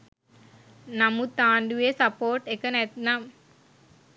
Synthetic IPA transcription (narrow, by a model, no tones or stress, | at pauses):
nɐmːut̪aːɳɖuʋeːsɐpoːɾʈekːɐnɛt̪nam